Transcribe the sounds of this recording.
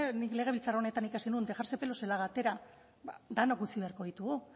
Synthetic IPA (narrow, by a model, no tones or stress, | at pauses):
nikle̞ɣ̞eilt͡sarone̞t̪anikasinund̪e̞xaɾse̞pe̞lo̞se̞laɣat̪e̞ɾa | bad̪anokɡut͡siβe̞aɾko̞ðit̪uɣu